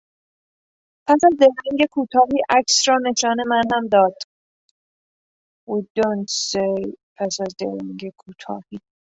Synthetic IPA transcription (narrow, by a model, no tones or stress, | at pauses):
pʰæsæzd̪eɾiŋɡekʰuːt̪ʰɒːɦiːʔæksrɒːne̞ʃɒːne̞mænhæmd̪ɒːd̪̥ | ud̪onsejpʰæsæzd̪ḛɾiŋɡekʰuːt̪ʰɒ̰ːhiː